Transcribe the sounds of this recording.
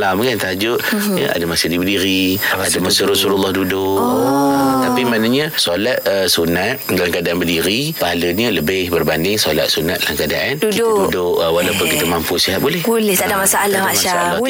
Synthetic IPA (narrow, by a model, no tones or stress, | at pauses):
lamkant̪ad͡ʒʊʔ | jə̰ʔa̰dəmasədibədiɾiadəmasəɾɔsululːɑhdudʊ | t̪apimanaɲəsolat̪əsunat̪̚dalamkadaʔanbədiɾipaɦaləɲələbɪhbərbandɪŋsola̰t̪̚sunat̪̚dalaŋkəadaʔandukdidudʊʔwalawpʊnkit̪əmampusiɦat̪̚bulɛhbolɛh̪adaʔmasaalahmaasaa